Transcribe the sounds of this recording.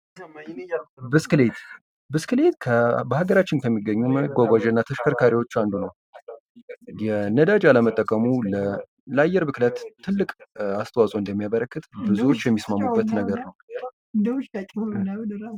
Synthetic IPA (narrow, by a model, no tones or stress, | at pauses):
bɨskɨlet̪ | bɨskɨle̞t̪kʰəbəhaɡəɾat͡ʃːɪnkʰəmːiɡːəɲːuməɡʷaɡʷad͡ʒənːat̪ʰəʃkʰəɾkʰaɾiwo̞t͡ʃːand̪unəw | jɛnəd̪ad͡ʒaləmət̪ʼːəkʼəmulə | lajːɛɾbɨklət̪ʰːɨlːɨkʼast̪ʰəwasʼoɨnd̪əmːijaβəɾəkːɨt̪bɨzuwo̞t͡ʃːjɛmːismamːubːət̪nəɡəɾnəw | nʼ